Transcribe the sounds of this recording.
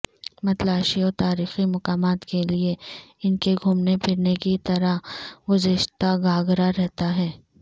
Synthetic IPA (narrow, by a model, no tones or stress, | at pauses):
mɐt̪laːʃiɔːɾt̪aːɾiːximɐqaːmaːt̪kelieɪnkeɡʱuːmnepʰɪɾnekit̪ɐɾaɡʊzɪʃt̪aɡaːɡɾaɾɛɦt̪aɦɛː